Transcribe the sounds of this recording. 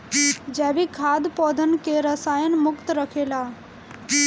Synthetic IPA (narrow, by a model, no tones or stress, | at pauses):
d͡ʒɛbikʰaːd̪pɔːd̪ʱənkeɾəsaːjənmʊkt̪ɾəkʰela